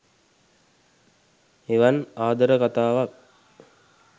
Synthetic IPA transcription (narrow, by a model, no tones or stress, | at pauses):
eʋanaːd̪əɾəkat̪aːʋak̚